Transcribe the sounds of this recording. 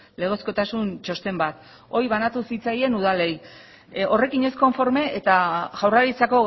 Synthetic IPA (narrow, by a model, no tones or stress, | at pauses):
le̞ɣ̞o̞sko̞t̪asunt͡ʃo̞st̪e̞mbat̪ | o̞jβanat̪usit͡saje̞nuð̞ale̞j | o̞re̞kiɲe̞sko̞ɱfo̞ɾme̞ʔet̪aɣawraɾit͡sako̞